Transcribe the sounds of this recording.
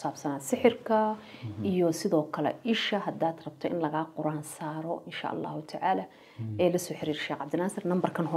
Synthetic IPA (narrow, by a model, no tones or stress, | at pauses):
saːbsɐnaːsɪħɪrkʰɐ | ʔijɔsɪðɔːkʰɐlɛ̰ʔɪʃɐɦɐd̪aːd̪rɐb̚t̪ʰɔʔɪ̰nlɐɣaːqʊɾaːnsaːɾɔʔɪnʃa̰ʔɑ̰lːɑ̰ːhʊt̪ʰaʕaːlaː | ɛːlɐsɔːħɪɾiːrʃɛːqʕɑbd̪ɪnaːsɪrnɐmbɐrkʰɐnɦɔ